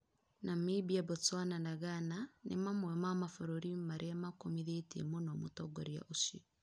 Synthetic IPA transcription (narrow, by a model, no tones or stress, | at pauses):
namebiabɔt͡swananaɣananemamwɛmamafoɾoɾimaɾʔeamakomiðetḛmonɔmotɔɡɔɾia̰ʔoʃi